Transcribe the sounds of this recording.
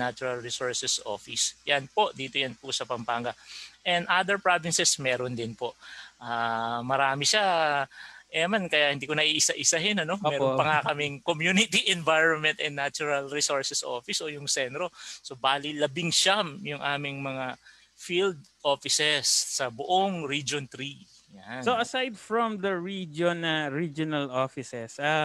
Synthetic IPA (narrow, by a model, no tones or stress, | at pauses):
nat͡ʃʊɹɐlɹisoɹsɛsʔo̞̰ːfɪsjanpo̞ʔd̪iːt̪ojɐnpʊsɐpɐmpaːŋɡɐʔɛnd̪ʔad̪ɛɹpɹavɪnsɛsmɛːɾond̪ɪnpo̞ʔʔaːmɐɾaːmɪʃa | ʔɛɐmankɐjahɪnd̪iːkonɐʔiːʔɪsaʔɪsahɪnɐno̞mmɛːɾonpɐŋakɐmɪŋkomjunɪt̪iʔɛnvajɹonmɛnt̪ɛnːat͡ʃʊɹɐlɹɪsoɹsɛsʔo̰ːfɪsʔo̞jʊŋsɛnt̪ɾo̞so̞baːlilɐbɪŋʃamjʊŋʔaːmɪŋmɐŋa | fild̪̚ | ʔoːfɪsɛsːɐbʊʔoŋɾid͡ʒont̪ɾi | jasoɐsajd̪fɹɔ̃md̪ɐɹid͡ʒonɐɹid͡ʒonɐlofɪsɛsa